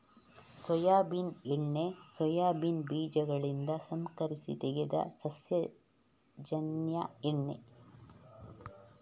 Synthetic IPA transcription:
sɔjaːbineɳːesɔjaːbinbiːd͡ʒɐɡɐɭind̪ɐsɐŋkɐɾisḭt̪eɡed̪ɐ̰sɐsjɐ | d͡ʒɐnjɐ̰eɳːḛ

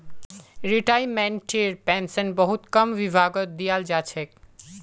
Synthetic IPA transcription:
ɾiʈaːimɛ̃ɳʈʈeɾpɛ̃ːnsənbəɦut̪kɐmʋibʱaːɡət̪̚d̪ijald͡ʒaːt͡ʃʰɛk

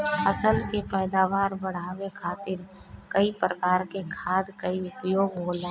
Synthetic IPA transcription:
əsəlkepɛːd̪aːʋaːɾbəɽ̤aːʋekʰaːt̪ɪɾ | kəipɾəkaːɾkekʰaːd̪kəiʊpjoːɡɦoːlẽ

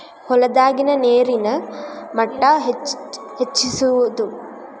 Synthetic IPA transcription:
hɔlɐd̪aːɡinɐneːɾinɐmɐʈːaɦe | het͡ʃːisuʋud̪u

